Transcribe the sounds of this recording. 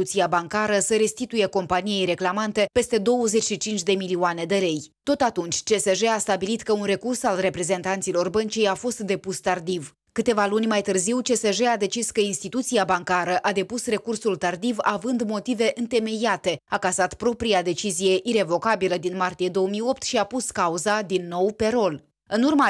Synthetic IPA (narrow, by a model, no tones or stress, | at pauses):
ut̪siabaŋkaɾəsəɾe̞st̪it̪uje̞ko̞mpanijejre̞klamant̪e̞pe̞st̪e̞d̪o̞wəze̞t͡ʃʲʃit͡ʃint͡ʃʲd̪e̞milioane̞d̪e̞le̞jt̪o̞t̪at̪unt͡ʃʲt͡ʃe̞se̞ʒe̞ast̪abilit̪kəunre̞kursalre̞pɾe̞ze̞nt̪ant̪silo̞rbənt͡ʃijafo̞st̪d̪e̞pust̪ard̪iv | kɨt̪e̞valunʲmajt̪ɨrziwt͡ʃe̞se̞ʒe̞ad̪e̞t͡ʃiskəinst̪it̪ut̪siabaŋkaɾəʔad̪e̞pusre̞kursult̪ard̪ivavɨnd̪mo̞t̪ive̞ʔɨnt̪e̞me̞jat̪e̞akasat̪pɾo̞pɾijad̪e̞t͡ʃizije̞ʔiɾe̞vo̞kabiləd̪inmart̪ije̞d̪o̞omijo̞pt̪ʃiapuskauzad̪inːo̞wpe̞ɾo̞l | ɨnurma